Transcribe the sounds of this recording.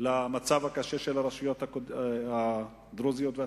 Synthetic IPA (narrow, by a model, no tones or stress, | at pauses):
lamat͡savhakaʃeʃelaʁaʃujot̪akoa | d̪ɾozijot̪vea